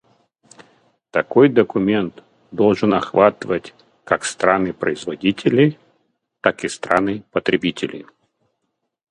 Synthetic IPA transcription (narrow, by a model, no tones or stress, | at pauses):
t̪ɐkojd̪əkʊmʲent̪ | d̪olˠʐɨnɐxvat̪əvətʲ | kakst̪ɾanɨpɾəɪzvɐdʲitʲɪlʲɪ | t̪akɪst̪ɾanɨpət̪ɾʲɪbʲitʲɪlʲɪ̰